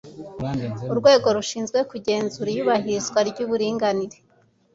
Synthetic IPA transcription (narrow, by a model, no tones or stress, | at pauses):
uɾɡwe̞ːɡo̞ɾuʃiːnzɡwe̞kuɟe̞ːnzuɾijuβahiɾizɡwaɾɟuβuɾiːŋɡaniɾe